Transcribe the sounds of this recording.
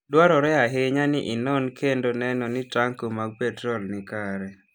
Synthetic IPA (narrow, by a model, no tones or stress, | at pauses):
dwaɾɔɾɛaɦeɲanɪʔɪnɔnkʰendonɛnɔnɪtaŋkomaɡ̚pɛtɾolnɪkaɾɛ